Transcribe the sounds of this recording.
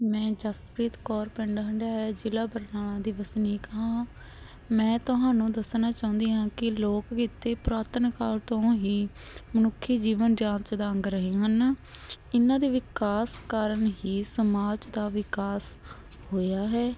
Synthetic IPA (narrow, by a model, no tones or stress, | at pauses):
mɛ̃ːd͡ʒaspɾiːt̪kɔːɾpɛ̃ːɳɖɦəɳɖaːɦɛːd͡ʒɪlaːbəɾnaːlãːd̪iːʋəsniːkəɦãː | mɛ̃ːt̪ʊɦãːnũːd̪əsnaːt͡ʃaːʊ̃nd̪iːɦãːkɪloːkkiːt̪eːpɾaːt̪ənkaːlt̪õːɦiːmənʊkʰːiːd͡ʒiːʋənd͡ʒãːnt͡ʃd̪aːəŋɡɾəɦiːɦən | ɪnãːd̪iːʋɪkaːskaːɾəɳɦiːsəmaːd͡ʒd̪aːʋɪkaːs | hoːjaːɦɛː